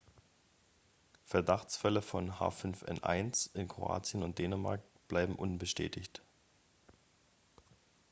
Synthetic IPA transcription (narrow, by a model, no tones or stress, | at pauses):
fɛɐdaχt͡sfɛləfɔnɦa̰ːfʏnfʔɛ̰nʔa̰ɪnsɪnkʁ̥o̰ʔa̰ːt͡sjənʊnt̚d̥eːnəmaɐk̚ | b̥laɪbm̩ʔʊnbəʃtʰɛ̰ːtʰɪçt